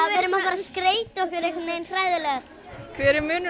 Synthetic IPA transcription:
vɾɪmafvaɾaskɾeːjt̪ɔhkvɛɾejhkaneːjnθɾaːjðɪlɛːɣaɾ | kʰvɛːɾɪmʏːnɪ

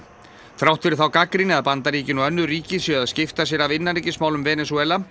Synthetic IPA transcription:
θɾawht̪fɪɾɪɾθawkakɾɪnɪaðpant̪aɾiːcɪnuœnːʏɾiːcɪsjœaðscɪft̪asjɛɾavɪnːaɾiːcɪsmaːwlʏmvɛːnɛsuɛːla

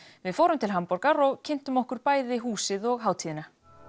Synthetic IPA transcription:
vɪðfoːwɾʏmt̪ʰɪlɦampɔɾkaɾɔɣcʰɪn̥t̪ʏmɔhkʏɾpaːjðɪɦuːsɪðɔɣɦaːwt̪ʰiːðɪna

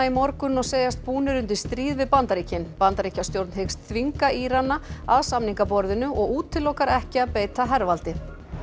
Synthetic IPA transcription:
aimɔɾkʏnɔɣseːjast̪̚puːnɪɾʏnt̪ɪ̥st̪ɾiːðvɪðpant̪aɾiːcɪnpant̪aɾicast̪jowɾt̪nɦekst̪θviŋkaʔiɾanːaaðsamniŋkapɔɾðɪnʏʔɔɣuːt̪ʰːɪlːowkaɾɛhcɪaðpeːjt̪aɦɛɾvalt̪ɪ

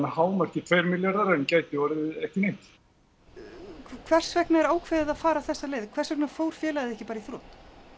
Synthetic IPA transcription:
nahaːwmaɾ̥cɪt̪ʰvejɾmɪljaɾðaɾɛncaːjt̪ɪvɔɾɪɪɛhcɪnejm̥t̪ | kʰv̥ɛr̥svɛknaɛɾaːwkʰvɛːðɪðaðfaːɾaθɛsːaleːjðkʰvɛɾrsvɛk̚nafoːwɾ̥fjɛːlaɣðɪɛhcɪpaːɾaiθɾoːt̪

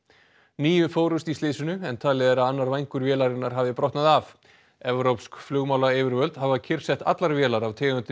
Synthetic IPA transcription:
niːjʏfoːwɾʏst̪ist̪lɪːsʏnʏɛnt̪ʰaːlɪðɛɾaðanːaɾvajŋkʏɾvjɛːlaɾɪnaɾ̥ɦaːvðɪpɾɔht̪naðav | ɛvɾowpskflʏɣmaːwlaɛːvɪɾvœlt̪havacʰɪr̥sɛht̪a̰t̪laɾvjɛːlaɾavt̪ʰɛːɣʏnt̪ɪ

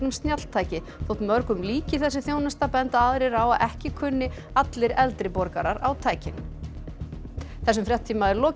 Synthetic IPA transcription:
nʏmst̪njat̪l̥t̪ʰaːjcɪ | θowht̪mœɾkʏmliːcɪθɛsːɪθjoːwnast̪apɛnt̪aaðɾɪɾawaʔɛhcɪkʰʏnːɪ | at̪lɪɾɛlt̪ɾɪpɔɾkaɾaɾawt̪ʰaːjcɪn | θɛs̬ːʏmfɾjaht̪ʰːiːmaðɛɾlɔː

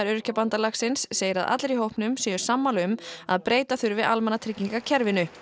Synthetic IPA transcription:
ɾʏɾʏ̥cʰɛpant̪alaksɪnsːeːjɪɾaða̰t̪lɾihowhpnʏmsɛːjʏ̥samːalʏma̰ðpɾeːjt̪aθʏɾvɪðalmanat̪ʰɾɪcːiŋkacʰɛɾvɪnʏ

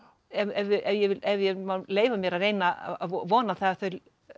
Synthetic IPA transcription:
ɛvɛvɪʔɛvjɛvɪɛvjɛmaleːjvamjɛɾaðreːjna̰aɔvɔːnaθaaθœɥ

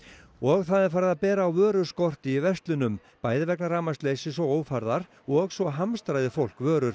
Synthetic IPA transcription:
ɔɣθaðɛɾ̥faːɾðapɛːɾaːwvœːɾʏɾ̥skɔr̥t̪ɪːvɛst̪lʏnʏm | paːjðɪvɛknaɾaːmast̪lejsɪsɔoːwfaɾðaɾ | ɔɣsvɔɦamst̪ɾajðɪfowl̥kvœːɾʏɾ̥

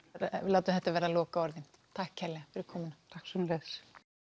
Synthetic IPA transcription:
laːwt̪ʏ̥θɛht̪avɛːɾalɔːkaɔɾðɪnt̪ʰahkʰːɛɾlɛɣafɛɾɪkʰɔːmɪnat̪ʰahksœmlɛs

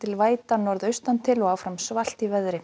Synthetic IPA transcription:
t̪ʰɪlvaːjt̪anɔɾðœɥst̪ant̪ʰɪlɔaːwfɾamsval̥t̪ivɛðɾɪ

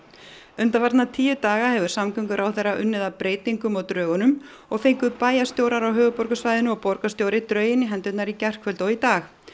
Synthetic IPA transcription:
ʏnt̪avaɾt̪nat̪ʰiːjʏt̪aːɣahɛvʏɾ̥samkœŋkʏɾʔawθejraʔʏnːɪðapɾeːjt̪iŋkʏmɔwt̪ɾœːɣʏnʏm | ɔɣfejŋkʏpaːjast̪jowɾaɾawɦœːvʏpɔɾkasvajðɪnʏmɔɣpɔɾkast̪jowɾɪt̪ɾœːɥjɪnːɪɦɛnt̪ʏt̪naɾicɛr̥kʰvœlt̪ɔɣit̪aːx

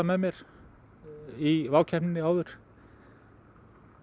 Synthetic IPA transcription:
amɛðmjɛɾ̥ | ivaːwcʰɛhnɪnːɪaːwðʏɾ̥

